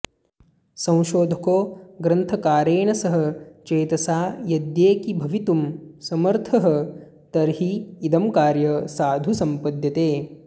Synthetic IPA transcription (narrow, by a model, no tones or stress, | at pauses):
sɐ̃w̃ʃoːd̪ʱɐkoːɡɾɐnt̪ʰɐkaːɾeːɳɐsɐɦɐ̆t͡ʃeːt̪ɐsaːjɐd̪jeːkibʱɐʋit̪umsɐmɐɾt̪ʰɐɦɐ | t̪ɐɾɦiːd̪ɐmkaːɾjɐsaːd̪ʱusɐmpɐd̪jɐt̪eː